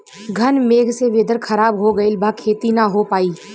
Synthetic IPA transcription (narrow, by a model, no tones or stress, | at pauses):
ɡʱɐnmeːɡʱseʋeːd̪əɾkʰɐɾaːbɦoɡɐeɪlbʱaːkʰːeːt̪inɐɦopaːiː